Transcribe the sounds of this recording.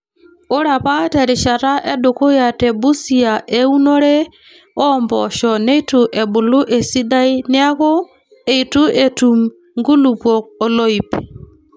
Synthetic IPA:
o˦ɾa˨pa˦tɛ˨ɾɪ˨ʃa˨ta˦ʔɛ˦do˨ko˦ja˨te˨bu˦si˨a˨ʔe˦u˦nɔ˦ɾe˦ | ɔ˦˨mbɔ˨ʃɔ˨ne˦i˦tu˨ʔe˨bʊ˨lʊ˦ʔe˨si˦da˦i˦nɪ˦a˦ko˦ | e˨i˨tu˦e˨tu˨m | ŋɡu˦lu˨pwɔ˨k̚ɔ˨lɔ˦i˨pi˨

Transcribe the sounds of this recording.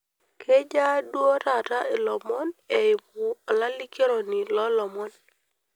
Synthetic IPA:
kʰe˦d͡ʒa˦dwɔ˦ta˨ta˦ɪ˨lɔ˨mɔ˦ne˨ɪ˨bu˨ɔ˨la˦lɪ˦ke˦ɾɔ˨ni˨lɔ˦lɔ˨mɔ˦n

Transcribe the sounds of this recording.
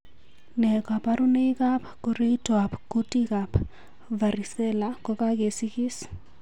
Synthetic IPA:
nɛ˨ka˨pa˦ɾu˦ne˦ka˦pku˦ɾe˦itɔa˨pku˦tikap | va˨ɾi˨sɛ˦lakɔ˦ka˦ke˨si˦kɪ˦s

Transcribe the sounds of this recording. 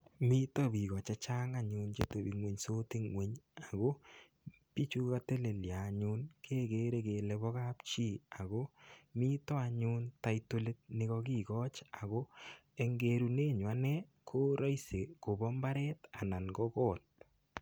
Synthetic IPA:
mi˦tɔ˦bi˨ɣɔ˨t͡ʃa˦t͡ʃa˦ŋa˦ɲʊ˧nt͡ʃe˦to˨bi˨ŋwe˨ɲso˦ti˦ŋwe˨ɲa˨ɣo˦ | pi˦t͡ʃu˦ka˦te˦le˨ljaː˨ɲu˦nkʰe˦ɡe˦ɾe˦ke˨lɛ˦bɔ˦ka˦p̚t͡ʃi˦˨a˨ɣo˦mi˦tɔ˦a˨ɲu˦ntaito˦le˦t̚nɪ˦ɣɔ˧ɡi˦˨ɡɔ˦t͡ʃa˨ɣo˦e˦ŋɡeɾu˧ne˦ɲwa˦nɛ˦kʰo˦ɾɔ˦jse˨ko˨bɔ˦mba˦ɾɛ˦ta˨na˨nɡɔkɔ˦˨t̚

